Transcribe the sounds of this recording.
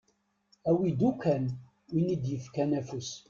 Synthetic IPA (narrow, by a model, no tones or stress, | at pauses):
æwid̪ukʷæn | winid̪jəfkænæfus